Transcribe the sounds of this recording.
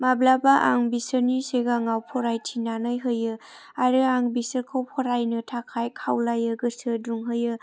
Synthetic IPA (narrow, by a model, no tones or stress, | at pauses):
mablabaʔa̰ŋbisəɾniseɡaŋawpʰɔɾajtʰinanɯjɦɯjɯ | aɾɯaŋbisəɾkʰawpʰɔɾajnɯtʰakʰajkʰawlajɯɡɯsɯduŋɦɯjɯ